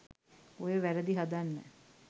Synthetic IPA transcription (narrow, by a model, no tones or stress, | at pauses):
ojəʋæɾəd̪iɦad̪anːə̰